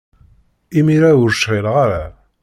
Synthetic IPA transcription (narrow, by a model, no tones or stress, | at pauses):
imiɾæʊɾʃʁɪlʁaɾæ